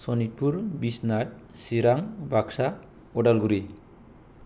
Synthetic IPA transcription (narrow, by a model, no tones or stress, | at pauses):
sɔnit̚puɾbisnaʈ̚siɾaŋbʱaksa | ɔɖalɡuɾi